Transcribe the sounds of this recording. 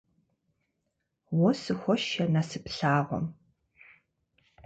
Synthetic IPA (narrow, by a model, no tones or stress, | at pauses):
wɔsɨxʷɔʃɐnɐsɨpɬaːʁʷɔ̰m